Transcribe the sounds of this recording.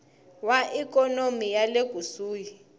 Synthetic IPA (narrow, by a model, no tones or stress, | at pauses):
waʔik̬ʼɔnomijaleɡ̥ʱusuːji